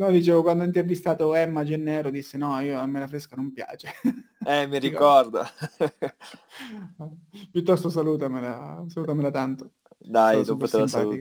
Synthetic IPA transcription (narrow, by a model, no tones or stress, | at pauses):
nɔd̪it͡ʃeːvokwand̪oaint̪ervist̪aːt̪oɛmːad͡ʒenːɛːɾod̪isːenɔiːoamːelafɾeskanompja̰ːt͡ʃe | ɛmiɾikɔrd̪a̰ | ɛpjut̪ːɔst̪osaluːt̪amelasaluːt̪amelat̪ant̪o̥ | d̪ajnopat̪eamspaːluik